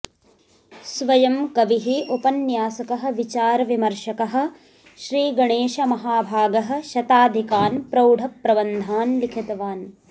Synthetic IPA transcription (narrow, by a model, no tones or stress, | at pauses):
sʋɐjɐmkɐʋiɦiʔupɐnjaːsɐkɐɦɐ̆ʋit͡ʃaːɾɐʋimɐɾʃɐkɐɦɐ̆ | ʃɾiːɡɐɳeːʃɐmɐɦaːbʱaːɡɐɦɐ̆ʃɐt̪aːd̪ʱikaːnpɾɐwɖʱɐpɾɐʋɐnd̪ʱaːnlikʰɐt̪ɐʋaːn